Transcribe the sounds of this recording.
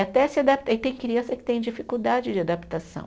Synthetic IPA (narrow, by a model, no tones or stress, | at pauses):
at̪ɛsɪad̪ap̚t̪aɪt̪ẽj̃kɾiɐ̃sɐkɪ̥t̪ẽj̃d͡ʒifikuwd̪ad͡ʒɪd͡ʒɪad̪apt̪asɐ̰̃w̃